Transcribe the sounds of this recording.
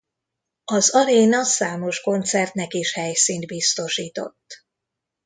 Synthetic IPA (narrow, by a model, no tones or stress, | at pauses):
ɒzɒɾeːnɒsaːmo̞ʃko̞nt̪sɛrt̪nɛkiʃhɛjsint̪̚bist̪o̞ʃiːt̪o̞̰t̪ː